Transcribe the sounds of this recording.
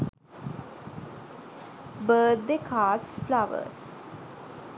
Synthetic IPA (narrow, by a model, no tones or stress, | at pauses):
bəːt̪̚d̪ekʰaːʈsflaʋə̰s